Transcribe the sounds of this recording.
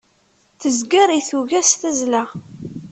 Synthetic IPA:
θəzɡəɾiθuʝæsθæzlæ

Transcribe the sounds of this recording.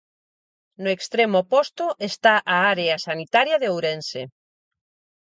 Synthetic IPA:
noekst̪ɾemopost̪oʔest̪aʔaaɾeasanit̪aɾjaðeowɾense

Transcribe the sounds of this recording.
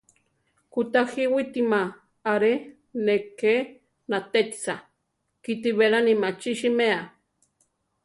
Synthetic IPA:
kut̪axiwit̪ima | aɾe | neke | nat̪et̪sa | kit̪iβeɾanimat͡ʃiʃimea

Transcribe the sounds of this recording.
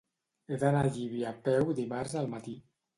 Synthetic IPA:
eðanaʎiβiapɛwd̪imaɾzəlˠmat̪i

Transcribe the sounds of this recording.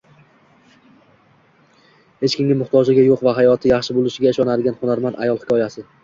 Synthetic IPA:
het͡ʃkʲɪŋʲɡʲɪmʊχt̪ʰɒd͡ʒɪɡʲajoqvaɦajɒt̪ʰɪjaχʃɪbolˠɪʃɪɡʲaɪʃɒnad̪ɪɡʲanχonaɾmand̪a̰jɒlˠhɪkʰɒjasɪ

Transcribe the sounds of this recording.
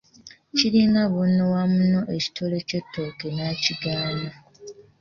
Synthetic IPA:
ciɾiŋɡaβunːowamuno̞ʔeci̥tʰole̞cotʰːokenaciɡaːna

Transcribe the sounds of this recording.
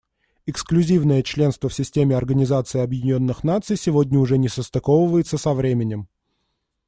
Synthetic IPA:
ɪksklʲʉzʲivnəjət͡ɕlʲe̞n̪st̪vəfsʲɪsʲtʲemʲɪɐrɡənʲɪzat̪sɨɪɐbjɪdʲɪnʲo̞nːɨxnat̪sɨjsʲɪvo̞dʲnʲəʊʐɛnʲɪsəst̪ɐkovəvəjɪt̪səsɐvɾʲemʲɪnʲɪm

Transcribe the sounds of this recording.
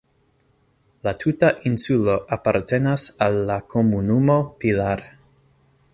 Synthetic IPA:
latʰutaʔinsulo̞ʔapaɾte̞nasalːakʰomunumo̞pilaɾ

